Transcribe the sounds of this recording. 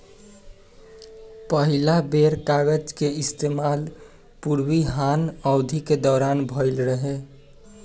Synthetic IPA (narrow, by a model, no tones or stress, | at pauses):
pəɦilabeɾkaɡəd͡ʒkeɪst̪eːmaːl | puɾwiɦanɔʊd̪ʱiked̪ɔːɾanbʱɔɪlɾəɦe